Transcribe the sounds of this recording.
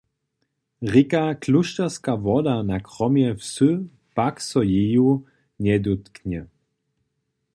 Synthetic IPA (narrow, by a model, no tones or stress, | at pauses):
ʁikakluʃtɛʁskavɔd̪anakʁɔmjɛwsɨ | paksɔjeju | ɲɛd̪ut̪knɛ